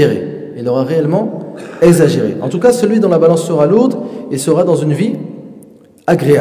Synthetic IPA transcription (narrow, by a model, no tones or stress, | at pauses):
eʁḛ | ilːɔʁaʁeɛlmɑ̃ɛɡzaʒeʁḛʔɑ̰̃t̪ukasəlɥid̪ɔ̃labalɑ̃sːəʁaluʁd̪esəʁad̪ɑ̃zynvi | aɡʁea